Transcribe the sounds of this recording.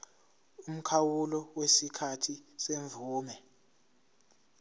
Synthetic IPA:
um̩kʰawulɔwesikʰatʰiseɱvuːmɛ

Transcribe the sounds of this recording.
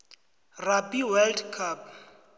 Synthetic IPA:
rapʼiwɛldkʰap̚

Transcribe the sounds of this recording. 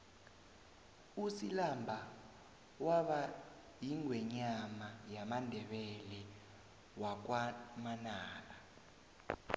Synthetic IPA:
usilambʱa | waɓa | jiŋwɛɲamajamandʱɛɓɛlɛ | wak̬wamanaːla

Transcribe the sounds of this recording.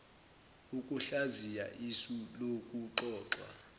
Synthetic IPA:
ukʼuɬazija̰ʔisulokʼuǃɔːǁwa̰

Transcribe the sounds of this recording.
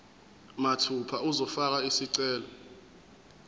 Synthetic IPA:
matʰupʰauzɔfak̬aisiǀɛːlɔ

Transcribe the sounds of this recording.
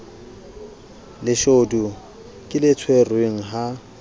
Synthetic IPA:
lɪʃodu | kʼɪlɪt͡sʰwerweŋ̩ɦa

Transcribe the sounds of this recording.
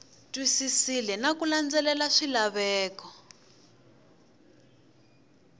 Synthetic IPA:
tʼwisisilɛnakuland͡zɛlɛlaʂilaβɛːkɔ

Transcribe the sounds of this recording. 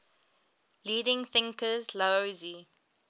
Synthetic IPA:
liːdɪ̃ŋθɪ̃ŋkəzloozi

